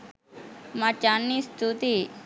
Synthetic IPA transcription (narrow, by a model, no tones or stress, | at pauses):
mat͡ʃanːist̪ʰut̪i